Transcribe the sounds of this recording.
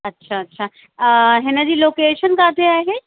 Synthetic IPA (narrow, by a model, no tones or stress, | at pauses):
ɐtːʃʰaɐtːʃʰa | ɦenad͡ʑiːloːkeːʃənkaːt̪eaːɦe